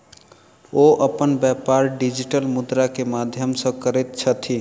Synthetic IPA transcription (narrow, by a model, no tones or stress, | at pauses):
oʔəpənbjapaɾɖid͡ʒiʈəlmud̪ɾakemad̪ʱjəmsə̃kəɾɛt̪̚t͡ʃʰət̪ʰi